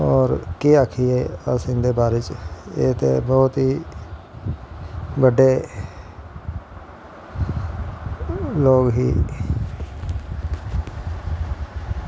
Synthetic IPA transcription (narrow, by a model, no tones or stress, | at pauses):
ɔːɾkeːakʰieasɪ̃nd̪ebaːɾet͡ʃḛːt̪ḛbɔːʊt̪ɦiː | bəɖe | loːɡɦḭː